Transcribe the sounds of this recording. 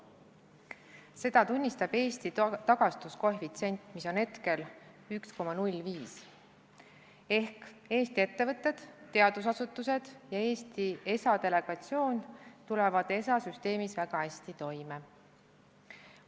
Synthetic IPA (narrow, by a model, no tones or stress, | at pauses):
se̞d̪ɑt̪unʲːist̪ɑb̥e̞ːst̪it̪ɑɡ̥ɑst̪uskoɦvit̪se̞nʲt̪ˑmiso̞nhe̞t̪ke̞l | yksko̞mɑnulʲviːs | e̞hke̞ːsʲt̪ie̞t̪ːe̞vɤt̪ˑːe̞d̪̥t̪ːe̞ɑd̪̥usɑsut̪ːˑuse̞d̪̥jɑe̞ːst̪ie̞sɑt̪e̞le̞ɡ̥ɑt̪sio̞ːnt̪ule̞vɑd̪e̞sɑsyst̪e̞ːmisvæɡ̥ɑhæsʲt̪it̪o̞jme